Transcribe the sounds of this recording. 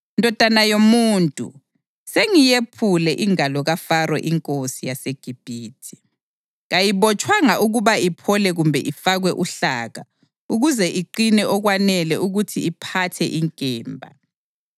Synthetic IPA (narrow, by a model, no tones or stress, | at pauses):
ndʱɔd̥ʱanajomuːntʼṵ | seŋijepʰulɛʔiŋalɔɣafarwɛ̰ʔiŋkʼosijaseɡ̥ʱib̥ʱiːtʰi̥ | ɣajiβɔt͡ʃʼwaŋaʔuɣuβaipʰɔlɛɣumbʱɛ̰ʔifaɣwɛʔuɬaɣa | uɣuzɛʔiǃinɛʔɔɣwanɛlɛuɣutʰiːpʰatʰɛ̰ʔiŋkʼɛːmbʱa̰